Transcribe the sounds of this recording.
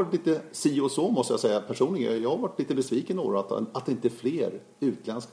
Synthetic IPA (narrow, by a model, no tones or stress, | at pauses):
ɾʈliːt̪əsiʊsoːmɔst̪əjasɛjːapʰæʂuːnlɪɡjɑːhaɾvaʈʰːliːt̪əbɛsviːkəno̰ːɾat̪at̪̚d̪ɛɪnt̪əɛfleːɾ | ʉ̟ːt̪lɛnsk